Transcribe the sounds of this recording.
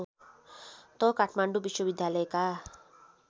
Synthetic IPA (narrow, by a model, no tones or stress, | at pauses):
t̪ʌkaʈʰmaɳɖubiswʌbid̪ʱjalʌeka